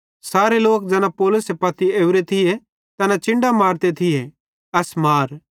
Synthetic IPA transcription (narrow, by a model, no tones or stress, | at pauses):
saːɾeloːk̚d͡ʒɛːnapɔːlʊsepɐt̪ieːʋɾet̪ʰɪje | t̪ɛnãt͡ʃɪ̃ɳɖamaːɾt̪et̪ʰɪje | ɐsmaːɾ